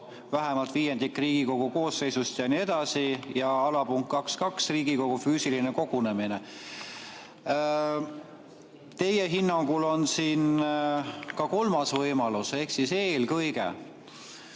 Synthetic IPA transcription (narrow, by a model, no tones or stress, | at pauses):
væɦemɑlt̪viːjend̪̥ikːriːɡ̥iko̞ɡ̥uko̞ːsːe̞jsust̪jɑnie̞d̪̥ɑsijɑɑlɑpuŋkːɑkskɑksriːɡiko̞ɡ̥ufyːsilineko̞ɡ̥une̞mine | t̪e̞jeɦinːɑŋɡ̥ulo̞nsiːn | kɑko̞lmɑsvɤjmɑluse̞hksise̞ːlkɤjɡ̥ḛ